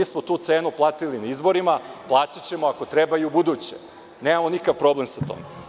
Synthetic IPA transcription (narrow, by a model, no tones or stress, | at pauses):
ismot̪uːt̪seːnuplˠaːt̪ilinaizbo̞ɾimaplˠaːt͡ɕat͡ɕe̞moako̞t̪ɾebaiubud̪uːt͡ɕḛ | neːmamonikaʋpɾo̞ble̞msat̪o̰me